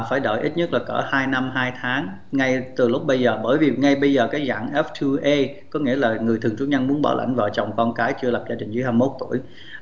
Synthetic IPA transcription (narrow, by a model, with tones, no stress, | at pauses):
faː˧˩jɗə̰ː˧˨jʔi˦˥t̚ɲə˦˥t̚laː˨˩kəː˧˩haː˧jna˧mɦaː˧jt̪ʰaː˨˦ŋ | ŋa˧jt̪ɨ˨˩lʊ˦˥k͡p̚ɓə˧jzəː˨˩ɓəː˧˩jvi˨˩ŋa˧jɓə˧jzəː˨˩kaː˨˦jza̰ː˧˨ŋʔɛ˦˥f̚t̪ʰu˧ʔe˧ | kɔ˨˦ŋi˧˥əlaː˨˩ŋɨ˨˩ət̪ʰɨ˨˩əŋt͡ɕu˨˦ɲa˧ŋmu˨˦ənɓɔ̰ː˧˩la̰˧˩jŋ̟vaː˨˩t͡ɕɔ˨˩wŋ͡mkɔ˧nkaː˨˦jt͡ɕɨ˧la˨˩p̚zaː˧t͡ɕɗï˨˩ŋ̟zɨ˨˦jɦaː˧mmo˦˥t̚t̪u˧˩əj